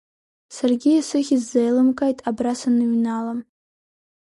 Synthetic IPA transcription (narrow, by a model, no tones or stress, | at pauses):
sarɡʲiasɨχʲizːejlɨmkʼajtʼabrasanɨɥnala